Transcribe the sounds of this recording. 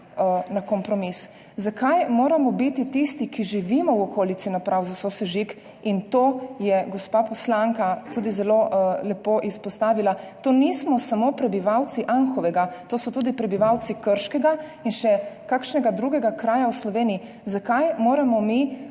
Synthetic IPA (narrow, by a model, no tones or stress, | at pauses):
nakɔmpɾɔmis | zakajmoːɾamɔbit̪it̪ist̪ikiʒiʋimɔwɔkoːlitsinapɾʔawzasosɛʒik | int̪oːjɛɡɔspapɔslaŋkat̪uːd̪izɛlolɛpoʔispɔst̪aːʋilat̪oːnismɔsamopɾɛbiʋawt̪siʔanxɔʋɛɡat̪oːsɔt̪ud̪ipɾɛbiʋawt̪sikəɾʃkɛɡainʃɛkakʃnɛɡad̪ɾuːɡɛɡakɾaːjawslɔʋeːniji | zakajmoːɾamɔmi